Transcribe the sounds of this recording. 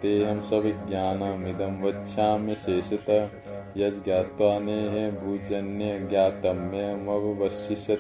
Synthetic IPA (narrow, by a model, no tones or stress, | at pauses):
t̪eːɦɐmsɐbiɡʲjaːnɐmid̪ɐmʋɐtːʃʰaːmeʃeːʃɐt̪ɐ | jɐd͡ʒɡjaːt̪ʋaːneɦebʱuːd͡ʒɐnːjɐɡjaːt̪ɐmːemɐbʱʋɐʃiʃɐ